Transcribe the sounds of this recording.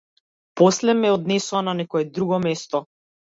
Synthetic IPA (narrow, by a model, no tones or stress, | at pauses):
pɔslɛmɛɔd̪nɛsuananɛkɔɛd̪ɾuɡɔmɛst̪ɔ